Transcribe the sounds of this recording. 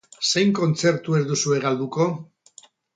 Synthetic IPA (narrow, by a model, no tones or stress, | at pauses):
se̞jŋko̞nt͡se̞ɾt̪ue̞ɾd̪usue̞ɣald̪uko̞